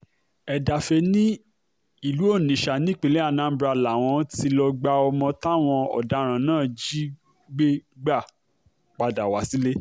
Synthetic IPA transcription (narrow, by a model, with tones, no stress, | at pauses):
ɛ˨da˨fe˧nĩ˦ | i˦˨lu˨˦o˦˨nĩ˨ʃa˨nĩ˦˨k͡pe˨˧˨le˦a˦˧˨nã˨˦bɾa˧la˨w̃ɔ̃˧ti˧lɔ˧ɡ͡ba˧ɔ˧mɔ̃˧ta˦˨w̃ɔ̃˧ɔ̰˨da˨˦ɾ̃ã˨˦nãː˦˨d͡ʒi˦ | ɡ͡be˦ɡ͡ba˦˨ | k͡pa˨˧da˨wa˨˦si˦le˦